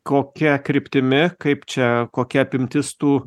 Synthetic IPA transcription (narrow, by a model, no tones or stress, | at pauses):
koːkʲɛkɾʲɪpʲt̪ʲɪmʲɪkɐɪpt͡ʃʲɛkoːkʲɛɐpʲɪmʲt̪ʲɪst̪uː